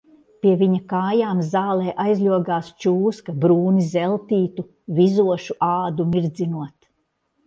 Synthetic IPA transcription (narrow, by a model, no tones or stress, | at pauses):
pʲiɛviɲɐkaːjaːmzaːlˠɛːʔajzʲlʲuɔɡaːst͡ʃuːskabɾuːnizɛlˠt̪iːt̪u | vizuɔʃuʔaːd̪umiɾd̪zinuɔt̪